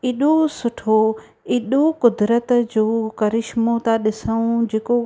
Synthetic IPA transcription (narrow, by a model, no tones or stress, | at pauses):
iːɗosʊʈʰo | iːɗokʊd̪ɾət̪d͡ʑoːkɐɾɪʃmot̪aɗɪsəũd͡ʑeːko